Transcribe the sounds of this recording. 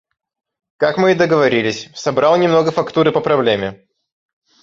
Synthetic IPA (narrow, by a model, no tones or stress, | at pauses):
kakmɨd̪əɡəvɐɾʲilʲɪsʲsɐbɾɑlˠnʲɪmno̞ɡəfɐkt̪uɾɨpəpɾɐblʲemʲɪ